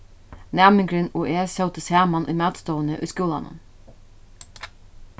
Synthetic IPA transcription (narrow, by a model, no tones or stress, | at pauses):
næːmɪŋɡɾɪnuːʔeːsɑʊt̪əsæːmɑnʔḭːmɑːt̪st̪oːənəʔy̰ːskuːlɑ̰nə̰n